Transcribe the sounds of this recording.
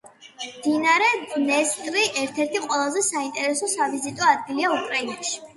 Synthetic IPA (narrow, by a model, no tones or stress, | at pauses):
md̪̥inaɾɛdnɛst̪ʼɾiʔɛɾt̪ʰɛɾt̪ʰiqʼwɛlˠazɛsaint̪ʼɛɾɛsɔsavizit̪ʼɔad̪̚ɡiliaukʼɾainaʃi̥